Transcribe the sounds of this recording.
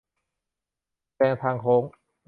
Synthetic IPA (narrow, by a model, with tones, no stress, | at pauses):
pɛː˧ŋt̪ʰaː˧ŋkʰoː˨˦˥ŋ